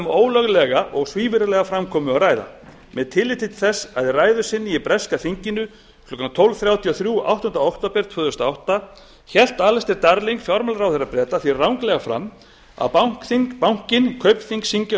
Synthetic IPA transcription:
moːwlœɣlɛɣaʔɔɣsviːvɪɾɪlɛɣafɾamkʰɔːmʏaraːjða̰ | mɛðt̪ʰɪlːɪt̪ɪt̪ɪ̥θɛsːaðɪraːjðʏsɪnːiipɾɛskaθiɲcɪnːʏ | klɔkant̪ʰɔwlvθɾjawt̪ʰiɔθɾjua̰wht̪ɔʏnt̪ɾaowht̪apɛɾ̥t̪ʰvœːðɛst̪aawht̪a | çɛl̥t̪alɛst̪ɪɾt̪aɾliŋkfjɔɾmalɾawθɛrapɾɛːt̪aθvirawŋklɛɣafɾa̰mː | a̰pawŋ̥kθiŋkpawŋ̥cɪnkʰœɥpθiŋksiɲcɪ

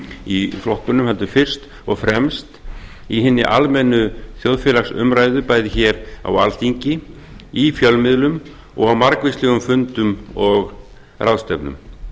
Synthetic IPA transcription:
iflɔht̪ʏnʏmhɛlt̪ʏfɪr̥st̪ | ɔɣfɾɛmst̪ | iɦɪnːɪʔa̰lmɛnːʏθjowðfɪːlaksʏ̰mɾaːjðʏpaːjðɪçɛɾa̰wa̰lt̪iɲcɪ | ifjœlmɪðlʏm | ɔ̰ɣawmaɾkvɪslɛɣʏmfʏnt̪ʏmɔɣ | rawst̪ɛpnʏ̰m

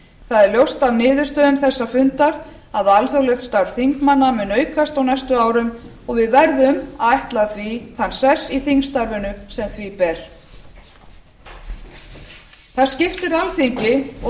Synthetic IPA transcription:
θaðɛɾljowst̪avnɪːðʏɾ̥st̪œːðʏmθɛsːafʏnt̪aɾ | aðalθowlɛxt̪st̪awɾ̥θiŋkmanːamɛnœːɥkʰast̪awnɛjst̪ʏaːwɾʏm | ɔɣvɪðvɛɾðʏmaðajht̪laθviθansɛsiθiŋst̪aɾvɪnʏsɛmθvipɛɾ̥ | θascɪft̪ɪɾalθiɲcɪɔ

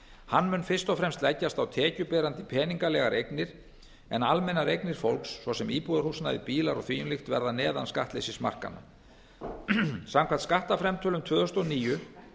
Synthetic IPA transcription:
hanːmʏnfɪr̥st̪ɔfɾɛmst̪lajcːast̪awt̪ʰɛːcʏpɛːɾant̪ɪpʰɛːniŋkalɛɣaɾʔejknɪɾ̥ | ɛnalmɛnːaɾejknɪɾ̥fowlksːvɔsɛmiːpuðaɾhusnaðɪpiːlaɾɔ̰ɣθviːjʏnlɪxt̪vɛ̰ɾðanɛːða̰nska̰ht̪lejsɪsma̰r̥ka̰nːa̰ | samkʰaɾ̥t̪skaht̪afɾɛmt̪ʰœːlʏmt̪ʰvœːðʏst̪ɔniːjʏ

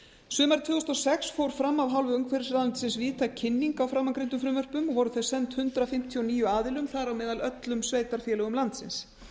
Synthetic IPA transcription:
sʏːmaɾt̪ʰvʏːɣʏst̪ɔsɛksfowɾ̥fɾamːavɦawlvʏʏŋkvɛɾɪsɾaðʏnt̪ɪ̥sɪnsviːt̪acʰɪnːiŋkawfɾamːaŋkɾent̪ʏfɾɪːmvœr̥pʏmɔɣvɔɾʏθɛ̥sɛnt̪hʏnt̪ɾafɪm̥t̪ʰiɔniːjʏaːðɪlʏmθaðɾawmɛːðalœt̪lʏmsveːjt̪aɾ̥fjɛːlɛɣʏmlant̪sɪ̰ns

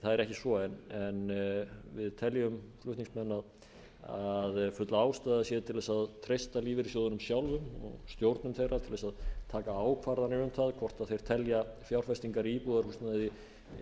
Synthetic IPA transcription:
θaðɛɾɛhcɪsvɔɛnɛnvɪðt̪ʰɛljʏmflʏht̪niŋsmɛnːað | aðfʏt̪laːwst̪aðasjɛðt̪ʰɪlvɛsaðt̪ʰɾejst̪aliːvɪɾisjowðʏnʏmsjawlvʏmɔ̰ɣst̪jowɾt̪nʏmθejɾat̪ʰɪlvɛsaðt̪ʰaːkaaːwkʰvaɾðanɪʏmθaðkʰvɔr̥t̪aðθejɾ̥t̪ʰɛljafjawɾ̥fɛst̪iŋkaɾipuːðaɾhust̪nɛði

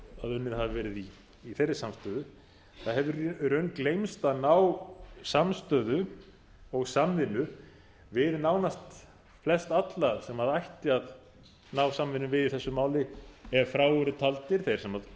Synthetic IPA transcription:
aðʏnːɪðhavvɛːɾɪðiː | θejrːɪsamst̪œːðʏ | θaðɦɛvɪrœɥnklejmst̪aðnaːwsamst̪œːðʏ | ɔɣsamvɪnʏ | vɪðnaːwnast̪ | flɛst̪at̪laðsɛmaðajht̪ɪað | naːwsamvɪnːʏmvɪðiθɛsːʏmaːwlɪɛɾfɾaːwʏɾʏt̪ʰalt̪ɪɾ̥θejɾ̥sɛmað

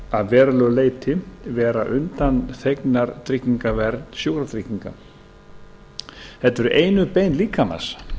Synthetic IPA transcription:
aðvɛːɾalœleːjt̪ʰɪvɛːɾaʔʏnt̪anθejknaɾt̪ʰɾɪcːiŋkavɛɾt̪n̥sjowkɾat̪ɾɪcːiŋka̰ | θɛt̪ːɛɾʏʔeːjnʏpeːjnliːkʰama̰s

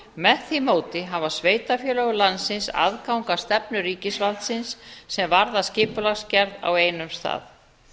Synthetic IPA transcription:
mɛθθimoːwt̪ɪɦavasveːjt̪afjœːlœɣʏlansɪnsa̰ðkawŋkast̪ɛpnʏɾiːcɪsvalt̪sɪnsːɛmvaɾðascɪːpʏlascɛɾða̰wejnʏmst̪a̰ːð

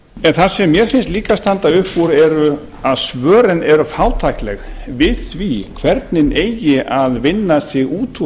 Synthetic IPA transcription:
ɛnθaɾsɛmːjɛɾfɪnst̪liːkast̪ant̪aʏhpuɾɛɾʏ | aðsvœːɾɪnɛɾʏfaːwt̪ʰajklɛ̰xvɪðθvikʰvɛɾt̪nɪneːjɪʔaðvɪnːasɪɣuːt̪ʰu

